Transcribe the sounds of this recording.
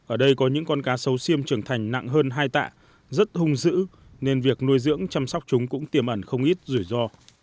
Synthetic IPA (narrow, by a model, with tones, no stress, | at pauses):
ʔəː˧˩ɗə˧jkɔ˨˦ɲɨ̰˧˥ŋkɔ˧nkaː˨˦sə˨˦wsi˧əmt͡ɕɨ˨˩əŋt̪ʰa˨˩jŋ̟na̰˧˨ŋɦəː˧nɦaː˧jt̪a̰ː˧˨ | zə˦˥t̚hʊ˧ŋ͡mzɨ̰˧˥ | ne˧nvi˨˩ək̚nu˧əjzɨ̰˧˥əŋt͡ɕa˧msɔ˦˥wk͡p̚t͡ɕʊ˨˦ŋ͡mkʊ̰˧˥ŋ͡mt̪i˨˩əmʔə˧˩nxə˧wŋ͡mʔi˦˥t̚zu˧˩jzɔ˧